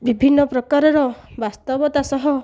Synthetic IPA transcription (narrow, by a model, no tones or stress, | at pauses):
bibʱinːɔpɾɔkaɾɔɾɔbast̪ɔbɔt̪asɔɦɔ